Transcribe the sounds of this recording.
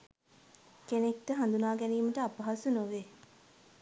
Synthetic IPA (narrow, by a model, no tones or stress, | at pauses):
kenek̚ʈəɦand̪unaːɡɛniːməʈəapaɦasunoʋe